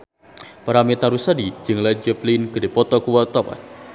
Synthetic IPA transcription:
paɾamit̪aɾusadid͡ʒɨŋlad͡ʒəplinkədepɔt̪ɔkuwat̪ɔpa̰t̪

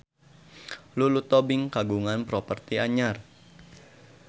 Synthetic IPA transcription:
lulut̪ɔbɪŋkaɡuŋanpɾɔpərt̪iaɲar

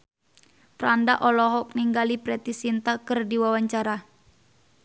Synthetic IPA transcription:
pɾandaʔɔlɔɦɔk̚niŋɡalipɾɛt̪isint̪akərdiwawaɲt͡ʃaɾa

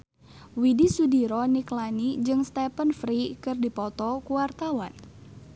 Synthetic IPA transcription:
widisudiɾɔniklanid͡ʒɨŋst̪ɛpənfɾikɨrdipɔt̪ɔkuwart̪awan

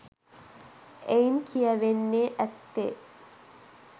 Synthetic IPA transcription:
ʔejnkʰijɐʋenːeʔæt̪ːḛ

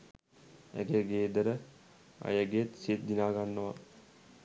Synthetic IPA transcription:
æ̰ɡeəɡeːd̪əɾə | a̰jəɡejət̪sit̪̚d̪inaːɡanːəʋa̰

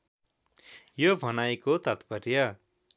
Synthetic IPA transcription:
jobʱʌnajkot̪ʌt̪pʌrjʌ

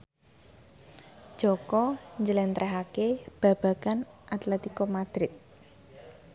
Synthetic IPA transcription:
d̥ʒ̥ɔ̤kɔɲd͡ʒəlɛnt̪ɾʔɛɦakeb̥ä̤b̥a̤kanʔat̪lɛt̪ikɔmad̪̥ɾɪt̪̚

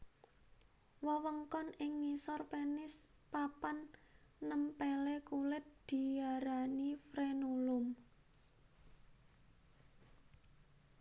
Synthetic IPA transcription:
wəwəŋkɔnɪŋːisɔrpenɪspapanːəmpelekulɪt̪̚d̪̥i̤jaɾanifɾenulʊm

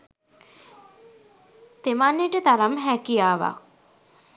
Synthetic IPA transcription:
t̪emanːeʈət̪aɾamɦækijaːʋa̰

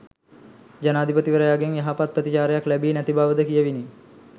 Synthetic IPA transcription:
d͡ʒanaːd̪ʱipət̪iʋəɾəjaːɡeŋjaɦapat̪̚prət̪it͡ʃaːɾəjaklæbiːnæt̪ibaːʋəd̪əkijəʋini

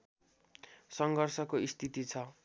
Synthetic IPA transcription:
sʌŋɡʱʌrsʌkoist̪ʰit̪it͡sʰʌ

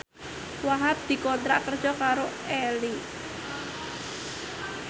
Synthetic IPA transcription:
waɦap̚d̪̥i̤kont̪ɾaʔkərd̥ʒ̥ɔkaɾo | eli

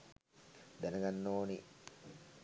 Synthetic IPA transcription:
d̪ænɐɡanːoːni

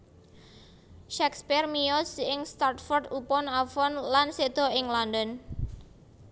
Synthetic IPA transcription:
ʃɛkspɪrmijɔsɪŋst̪art̪̚fɔrd̪upɔnafɔnlansed̪̥ɔ̤ɪŋlɔndɔn

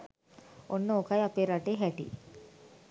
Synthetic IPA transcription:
onːəokajapeːɾaʈeːɦæʈḭ

